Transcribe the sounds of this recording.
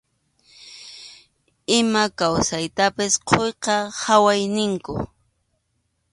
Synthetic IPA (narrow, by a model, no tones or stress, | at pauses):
ɪmakawsajt̪apɪsqʰojqɑhawajnɪŋkʊ̰